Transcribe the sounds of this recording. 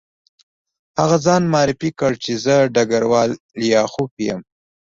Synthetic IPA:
haɣazɑːnmɑːɾɪfikəɽt͡ʃezəɖaɡaɾwɑːl | jɑːxupijə̰m

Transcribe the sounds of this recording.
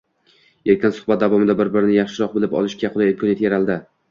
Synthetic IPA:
eɾkʲʰɪnsʊ̥hbat̪̚d̪avɒmɪd̪abɪɾbɪɾɪnɪjɑχʃɪɾɒq̚bɪlɪpɒ̰lˠɪʃkʲaqʰʊlˠajɪmkʰɒnjet̪jeɾalˠd̪ɪ

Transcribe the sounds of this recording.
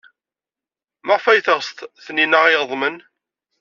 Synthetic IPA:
məʁfæjθəʁst̪θninəʁijðˤmən

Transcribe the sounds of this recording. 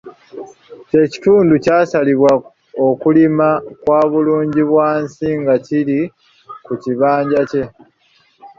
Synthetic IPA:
ce̞ci̥tuːnducaːsaliβwa | okulimakwaːβuluːɲɟiβwaːnsiŋɡaciɾi | kuciβaːɲɟace̞

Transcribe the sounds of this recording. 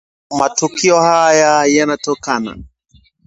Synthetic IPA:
matukiɔhajajanatɔkana̰

